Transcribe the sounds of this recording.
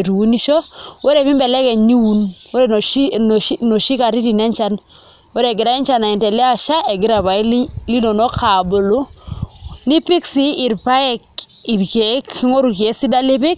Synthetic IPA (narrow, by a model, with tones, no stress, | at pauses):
ɾi˨wu˦ni˦ʃɔ˦we˦ɾe˨bi˦mbɛ˨lɛ˦kɛ˨ɲi˦wu˦nwe˦ɾe˨ | no˨ʃi˦ka˨ɾi˦ti˨nɛ˦ɲt͡ʃa˦n | we˦ɾɛ˨ɡɪ˨ɾa˦ɛ˦nt͡ʃa˦˨na˨ɛ˨ntɛ˨le˦a˦ʃa˦ʔɛ˨ɡɪ˦ɾa˨βa˨i˦li˦no˨nɔ˦kʰa˨bʊ˨lu˦ | ni˦pi˦ksiː˦˨ɾpa˦ɛ˦ki˨ɾke˨˦kːi˦ŋo˦ɾu˨ke˨˦si˦da˦lɪ˦pɪ˦k̚